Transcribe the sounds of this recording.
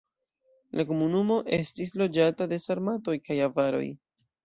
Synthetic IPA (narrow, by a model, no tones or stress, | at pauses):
lʔako̞munumo̞ʔe̞stislo̞d͡ʒatade̞saɾmato̞jkajavaɾo̞̰j